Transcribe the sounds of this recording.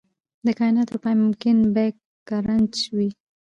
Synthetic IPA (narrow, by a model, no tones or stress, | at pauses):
d̪əkɑjnɑt̪opajmʊmkɪnbekː | aɾant͡ʃwi